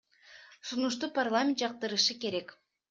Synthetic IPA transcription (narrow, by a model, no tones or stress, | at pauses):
sunuʃt̪uparlˠamʲɪnt̪d͡ʒɑq̚t̪ɯɾɯʃɯke̞ɾe̞k